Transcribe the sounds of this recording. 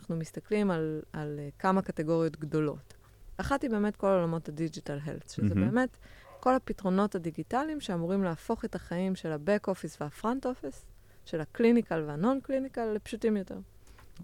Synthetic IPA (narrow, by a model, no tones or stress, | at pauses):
naχnumist̪aklimalalkamakateɡo̞ʁijo̞tɡdo̞lo̞̰t | aχatibeːme̞tko̞laolamo̞thadid͡ʒitalɦḛlθʃezebeːme̞tko̞lhapitʁo̞no̞thadiɡitalimʃeamuʁimleafo̞χe̞taχaimʃe̞labekofisveafʁonto̞fis | ʃe̞laklinikalveano̞nklinikalːepʃutimjo̞teʁ